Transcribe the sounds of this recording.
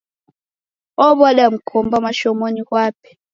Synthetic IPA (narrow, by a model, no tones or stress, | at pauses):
ɔɓaɗam̩kʰɔmbamaʃɔmonihwaːpʰi̥